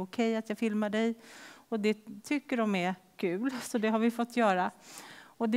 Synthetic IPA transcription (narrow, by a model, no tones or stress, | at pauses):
ʊkʰɛjːat̪jɑːɡfɪlmaɖɛjɔd̪ɛt̪ʰʏkːəɖɔmɛkʰʉ̟ːlsɔd̪ɛɦaɾvɪfɔt̪ʰːjœːɾa | ɔd̪ɛ